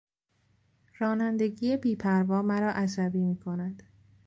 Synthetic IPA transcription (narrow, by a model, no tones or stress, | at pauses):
ɾɒːnænd̪e̞ɟiːjebiːpʰæɾvɒːmæɾɒːʔæsæbiːmiːkʰo̞næd̪̥